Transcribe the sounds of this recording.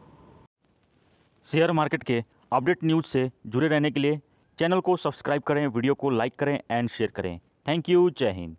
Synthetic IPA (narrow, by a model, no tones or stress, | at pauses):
seːəɾmaːɾkeːʈke | ɐp̚ɖeːʈnjuːzsed͡ʒʊɾeɾɛɦnekelie | t͡ʃɛːnəlkosɐbskɾaːɪb̚kɐɾẽʋiɖijokolaːɪkːɐɾẽɛ̃ːɳɖʃeːəɾkɐɾḛ̃ː | t̪ʰɛ̃ːŋkjut͡ʃɛːɦɪ̰ːn